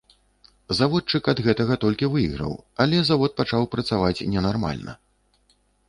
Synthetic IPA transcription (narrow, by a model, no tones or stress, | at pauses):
zavɔt̪̚t͡ʂɨkɐd̪ɣɛt̪ɐɣɐt̪ɔlʲkʲivɨjiɣɾɐ̰wɐlʲɛzavɔt̪̚pat͡ʂawpɾɐt̪savat͡sʲnʲɛnarma̰lʲnɐ̰